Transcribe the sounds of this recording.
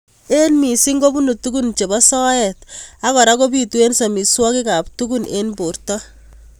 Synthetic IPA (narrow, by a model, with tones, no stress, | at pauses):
e˦nmi˨si˦ŋɡo˦bu˦nu˨tuku˦nt͡ʃe˨bɔ˦sɔ˦ɛta˦kɔ˨ɾa˦ko˦b̬i˦tu˦e˦nsa˨mi˨swɔ˦kɪ˦ka˨p̚tuku˦nenbo˨rtɔ˦